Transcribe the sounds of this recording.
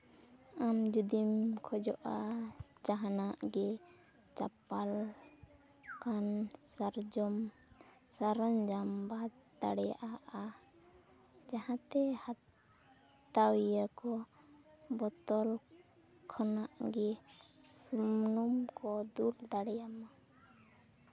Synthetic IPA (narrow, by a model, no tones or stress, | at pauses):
amd͡ʒud̪imkʰɔd͡ʒɔʔad͡ʒaɦanaʔɡɛ | t͡ʃa̰pal | kansaɾd͡ʒɔm | saɾaɲd͡ʒambad̪̚d̪aɽɛja̰ʔaʔa | d͡ʒahãt̪ɛhat̪ | awijakɔ | bɔt̪ɔl | kʰɔnaʔɡɛsumnumkɔd̪uld̪aɽɛjama